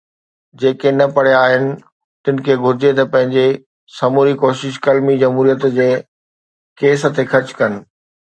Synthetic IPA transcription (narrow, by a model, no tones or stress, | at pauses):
d͡ʑeːkenɐpɐɽ̤jaaːɦɪnɪ̆ | t̪ɪnɪ̆kʰeːɡʱʊɾɪd͡ʑet̪ɐpɐ̃ɦɪ̃ɲd͡ʑe | sɐmuːɾikoːʃɪʃkɐlmid͡ʑɐmɦuːɾijət̪d͡ʑeː | keːsə̆t̪ʰexɐt͡ɕkɐnɪ̆